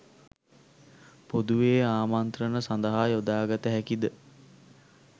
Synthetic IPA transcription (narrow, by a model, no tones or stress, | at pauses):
pod̪uʋeːaːmant̪rənəsand̪əɦaːjod̪aːɡat̪əɦækid̪ə